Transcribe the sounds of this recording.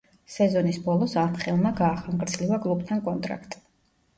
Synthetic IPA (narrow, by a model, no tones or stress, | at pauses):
sɛzɔnisbɔlˠɔsaɾmχɛlˠmaɡaːχaŋɡʼɾd̪zlivakʼlˠup̚t̪ʰankʼɔnt̪ʼɾa̰kʰt̪ʼi̥